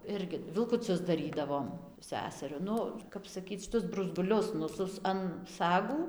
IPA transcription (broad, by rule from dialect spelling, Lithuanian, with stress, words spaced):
ˈɪrʲɡʲɪ ʋʲɪlˠkʊˈt͡sʲʊs dɐˈrʲiːdɐʋoːm ˈsʲæːsʲɛrʲʊ ˈnʊ kɐp sɐˈkʲiːt͡s ʃʲɪˈtʊs brʊzˈɡʊlʲʊs nʊ ˈsʊs ɐn ˈsɑːɡuː